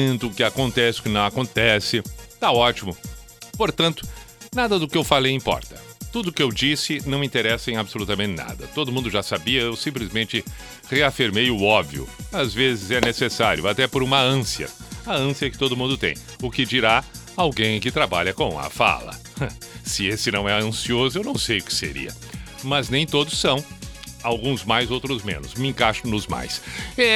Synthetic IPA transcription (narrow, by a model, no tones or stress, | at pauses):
t̪ʊʊkɪakõnt̪ɛsɪʊ̥kɪnɐ̃w̃akõnt̪ɛsɪt̪aɔt͡ʃimʊ | poɾt̪ɐ̃nt̪ʊ̥nad̪ɐd̪ʊkɪewfalejĩpɔ̰ɾt̪ɐ̥t̪ud̪ʊkɪewd͡ʒisɪnɐ̃w̃ĩt̪eɾɛsɐẽj̃abɪsolut̪ɐmẽnt͡ʃ̪ɪna̰d̪ɐ̰t̪od̪ʊmũnd̪ʊʒasabiɐewsĩmplizmẽnt͡ʃɪ | ʁeafiɾmejʊɔbviʊ̰azvezɪzɛnesesaɾjʊat̪ɛpʊɾũmɐɐ̃siɐ̰ɐɐ̃siɐɛkɪ̥t̪od̪ʊmũnd̪ʊt̪ḛ̃j̃ | ʊkɪd͡ʒiɾa | awɡẽj̃kɪt̪ɾabaʎɐkõw̃ɐ̰fa̰lɐ̰ | sɪesɪnɐ̃w̃ɛɐ̃siozʊewnɐ̃w̃sejʊkɪ̥sḛɾḭɐ̰ | mɐznẽj̃t̪od̪ʊsːɐ̃w̃awɡũzmajzowt̪ɾʊzmḛ̃nʊsmɪẽkaʃʊ̃nʊzma̰jsɛ